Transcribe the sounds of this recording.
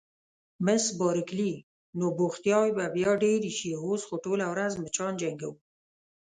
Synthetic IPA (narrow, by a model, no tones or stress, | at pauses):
məsbɑɾəkli | noboxt̪jɑwibabjɑɖeɾiʃiɦozxoʈolawɾazmət͡ʃɑnd͡ʒaŋɡa̰wu